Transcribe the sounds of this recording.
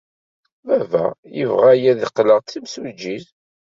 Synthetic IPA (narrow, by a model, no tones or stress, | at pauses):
vævæ̰jə̰vʁæjæðiqːləʁt̪ːimsud͡ʒːið